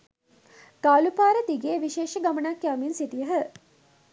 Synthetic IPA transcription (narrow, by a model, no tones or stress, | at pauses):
ɡ̥aːlupaːɾəd̪iɡeːʋiʃeːʃəɡamənakːjaːminsit̪ijəɦə